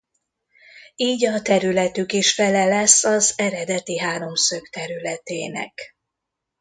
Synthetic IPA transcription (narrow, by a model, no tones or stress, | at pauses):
iːɟɒt̪ɛɾylɛt̪ykiʃfɛlɛlɛsːɒzɛɾɛd̪ɛt̪iɦaːɾo̞msøkt̪ɛɾylɛt̪eːnɛ̰k